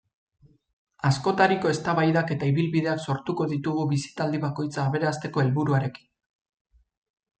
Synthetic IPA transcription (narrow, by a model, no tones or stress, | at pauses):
asko̞t̪aɾiko̞e̞st̪aβajðake̞t̪aiβilβiðe̞akso̞ɾt̪uko̞ðit̪uɣuβisi̥t̪ald̪iβako̞jt͡saːβe̞ɾast̪e̞ko̞e̞lβuɾuaɾe̞ki̥n